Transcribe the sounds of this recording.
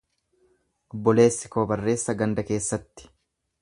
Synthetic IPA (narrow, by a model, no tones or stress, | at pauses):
ʔɔbːɔle̞ːsːɪkoːbɐrːe̞ːsːɐɡɐnd̪ɐke̞ːsːɐt̪ːɪ̥